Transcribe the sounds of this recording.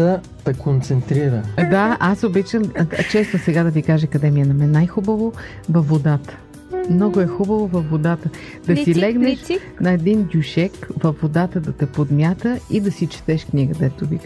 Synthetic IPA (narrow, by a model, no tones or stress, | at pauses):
ə | p̪ɛkont̪sɛnt̪ɾiɾəd̪aʔasobit͡ʃəmt͡ʃɛst̪osɛɡad̪ɐvikaʒəɐkɐd̪ɛmijənɐmɛnajxubəvovɐfvːod̪at̪ə̥ | mnɔɡoɛxubəvovɐfvod̪at̪ə | d̪ɐsilɛɡnɛʃ | nɐɛd̪ind̪ʲjuʃɛkvɐfvːod̪at̪əd̪ɐt̪ɛpod̪mʲjat̪əid̪ɐsit͡ʃɛ̥t̪ɛʃkniɡəd̪ɛt̪ʊvik